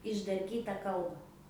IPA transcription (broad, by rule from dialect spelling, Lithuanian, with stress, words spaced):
ɪʒdɐrʲˈkʲiːtɐ ˈkɐlˠbɐ